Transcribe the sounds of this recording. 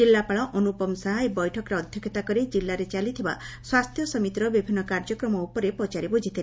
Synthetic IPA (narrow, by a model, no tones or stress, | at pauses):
ilːapaɭɔʔɔnupɔmsaɦaebɔjʈʰɔkɔɾeɔd̪ʱjɔkʰːet̪akɔɾed͡ʒilːaɾet͡ʃalit̪ʰiba̰swast̪ʰjɔsɔmit̪ɾɔbibʱinɔkaɾd͡ʒɔkɾɔmɔupɔɾepɔt͡ʃaɾebod͡ʒʱit̪ʰi